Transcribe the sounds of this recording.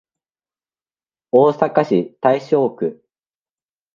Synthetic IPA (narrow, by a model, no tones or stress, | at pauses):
oːsakaɕit̪aiɕo̞ːkɯ̟